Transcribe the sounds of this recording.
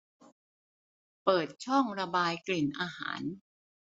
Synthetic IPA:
pɤː˨˩t̪̚t͡ɕʰɔ˥˩ŋɾa˧baː˧jkli˨˩nʔaː˧ha̰ː˩˦n

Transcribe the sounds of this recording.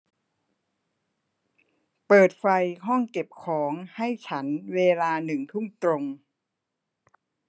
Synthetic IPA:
pɤː˨˩t̪̚fa˧jɦɔ˥˩ŋke˨˩p̚kʰɔː˩˦ŋha˥˩jt͡ɕʰa˦˥nweː˧laː˧nɯ˨˩ŋt̪ʰu˥˩ŋt̪ɾo˧ŋ

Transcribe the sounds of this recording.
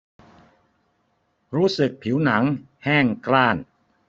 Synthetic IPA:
ɾuː˦˥sɯ˨˩k̚pʰi˩˦˥wna˩˦ŋ | hɛː˥˩ŋklaː˥˩n

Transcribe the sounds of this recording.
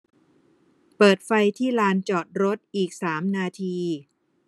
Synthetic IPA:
pɤː˨˩t̪̚fa˧jt̪ʰiː˥˩laː˧nt͡ɕɔː˨˩t̪̚ɾo˦˥t̪̚ʔiː˨˩k̚saː˩˦mnaː˧t̪ʰiː˧

